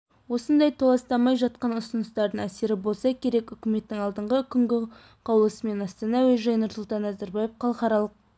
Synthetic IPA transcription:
wo̞sənd̪ɑjt̪ʰolˠɑst̪ɑmːɑjʒɑt̪̚qɑnʊsənəst̪ɑɾd̪əɴæse̞ɾɪbo̞lˠsɑkʲʰe̞ɾe̞kʏkʲɪme̞t̪ːɪŋɑlˠd̪əɴʁəkʲʰʏŋɡʲɪ | qʰɑwlˠəsəme̞nɑst̪ɑnɑwɵjʒɑjnʊɾsʊlˠt̪ɑnæzæɾbɑjefqʰɑlˠəχɑɾɑlˠəq̚

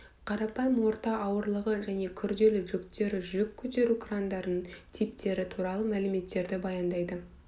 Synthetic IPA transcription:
qʰɑɾɑpɑjəmwo̞ɾt̪ɑʔɑwəɾlˠəʁəʒæne̞kʲʰʏɾd̪e̞lɪʒʏkt̪e̞ɾɪʒʏkʲʰːɵt̪e̞ɾukʰrand̪ɑɾnəɴt̪ʰip̚t̪ʰe̞ɾɪt̪ʰuɾɑlˠəmælɪme̞t̪ːe̞ɾd̪ɪbɑjɑnd̪ɑjd̪ə

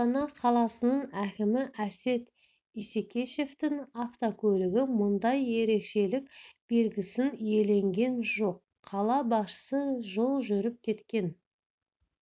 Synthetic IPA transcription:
ɑnɑqʰɑlˠɑsənəɴækʲɪmɪʔæse̞t̪ | isekʲe̞ʃe̞ft̪ɪŋaft̪okʲʰɵlɪɡʲɪmʊnd̪ɑje̞ɾe̞kʃe̞lɪkb̥e̞lɡʲɪsɪnje̞le̞ŋɡʲe̞nʒo̞qʰːɑlˠɑbɑʃə̥səʒo̞lˠʒʏɾɪp̚kʲʰe̞t̪kʲe̞n

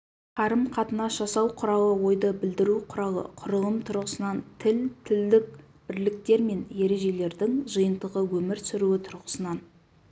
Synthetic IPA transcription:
qʰɑɾəmqʰɑt̪ənɑsʒ̥ɑsɑwqʰʊɾɑw̪ˠəwo̞jd̪əbɪld̪ɪɾuqʰʊɾɑw̪ˠə̰qʰʊɾəlˠəmt̪ʰʊɾʁəsənɑnt̪ʰɪlt̪ʰɪld̪ɪk̚ | b̥ɪɾlɪk̚t̪e̞ɾme̞nje̞ɾe̞ʒe̞le̞ɾd̪ɪŋʒəjənt̪əʁəwɵmɪɾsʏɾuwɪt̪ʰʊɾʁəsənɑn

